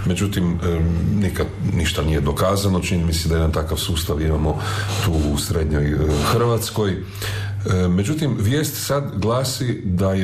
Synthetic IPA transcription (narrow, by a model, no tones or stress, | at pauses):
me̞d͡ʒut̪imnikad̪niʃt̪anije̞d̪okaːzanot͡ʃinimised̪ajeant̪akaʋsuːst̪aʋimamo̞t̪uːusɾed̪ɲojxr̩ʋat̪sko̞j | me̞d͡ʒut̪imʋjeːst̪sad̪ɡlˠaːsid̪aj